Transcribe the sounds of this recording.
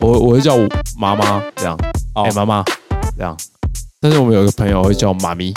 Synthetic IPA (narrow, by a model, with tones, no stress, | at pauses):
wɔ˨xwwɔ˨˩xwe˥˧t͡ɕjɑ˥˩ʊma˨˧ma˦ə˥˧jɑ̰˥˩ŋe˨˩˨ma˧˥ma˦ə˥˧˦jɑ̰˨˩ŋt̪a˥˧nʂ̩˥˩wmə̃˦jo˨˩i˥ɡə˧pʰə˧˦jwe˥˧˥t͡ɕjɑ˥˩ʊma˨mi˧˥